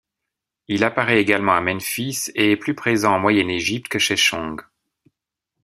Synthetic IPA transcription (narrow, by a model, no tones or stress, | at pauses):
ilapaʁɛeɡalmɑ̃amɛnfiseːplypχezɑ̃ɑ̃mwajɛneʒip̚t̪kəʃeʃɔ̃ɡ